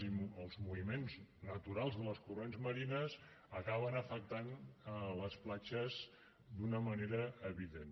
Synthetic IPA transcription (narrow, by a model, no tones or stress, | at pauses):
əlˠzmuimenznət̪uɾalˠzðələskuronzməɾinəz | əkaβənəfək̚t̪anələsplat͡ʃəz | d̪unəməneɾəːβiðen